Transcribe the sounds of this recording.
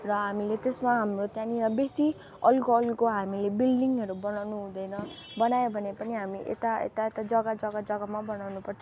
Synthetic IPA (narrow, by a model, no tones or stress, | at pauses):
rʌɦamilet̪esmaɦamrot̪jãniɾʌbesi | ʌlkoʌlkoɦamilebilɖiŋʌɾubʌnawnuɦũd̪ʌjnʌ | bʌnajobʱʌnepʌniɦamiʔḛt̪aḛt̪aet̪ad͡zʌɡad͡zʌɡad͡zʌɡamabʌnawnupʌrt͡sʰo